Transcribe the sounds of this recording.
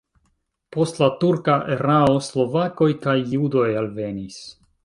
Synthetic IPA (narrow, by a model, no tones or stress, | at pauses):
po̞stlatuɾkaʔeɾaoslo̞vako̞jkajːudo̞jalve̞nis